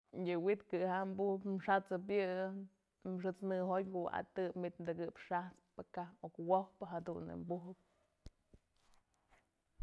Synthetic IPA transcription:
jɨwit̪kɨɦambuhpmʂat͡sɨp̬jɨ | mʂɨt͡snɨɦotkṵa̰t̪ɨpmit̪nd̪ɨɡɨpʂaht͡spɨkaokwohpɨɦad̪uʔnɨ̰mbuɦɨp̚

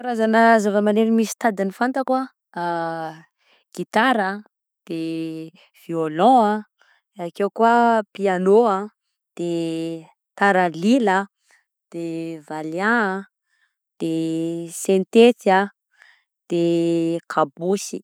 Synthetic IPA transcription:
aɾazanəzavəmaneɾimisi̥t̪ad̪inifant̪akwa | ɡ̥it̪aɾə | d̪̥e | v̥iolɔ̃a | eakewkuapianoã | d̪̥e | t̪aɾəlilə | d̪̥evaleãa | d̪̥esẽnt̪et̪ia | d̪̥ekʰabusi

